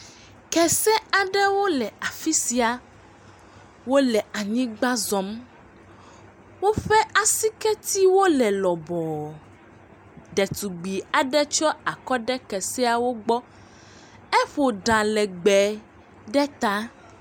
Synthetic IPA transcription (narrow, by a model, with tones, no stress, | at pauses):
kɛ˨sɛ˦a˨ɖɛ˦wo˦lɛ˨a˨fi˦si˨a˨ | wo˦lɛ˨a˨ɲĩ˦ɡ͡ba˦zɔ˨˦m | wo˦ɸɛ˦a˨si˦kɛ˦t̪i˦wo˦lɛ˨lɔ˨bɔ˨ | ɖɛ˨t̪u˨ɡ͡bi˨a˨ɖɛ˦t͡ʃɔ˦a˨kɔ˦ɖɛ˦kɛ˨sɛ˦a˨wo˦ɡ͡bɔ˦ | ɛ˦ɸo˨ɖã˨lɛ˨ɡ͡bɛ˨ | ɖɛ˦t̪a˦